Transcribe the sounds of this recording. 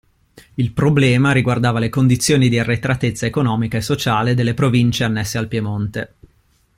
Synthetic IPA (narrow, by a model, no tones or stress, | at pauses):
ilpɾoblɛːmaɾiɡward̪aːvalekond̪it̪sːjoːnid̪iarːet̪ɾat̪et̪sːaekonɔːmikaesːot͡ʃaːled̪elːepɾovint͡ʃeanːɛsːealpjemont̪e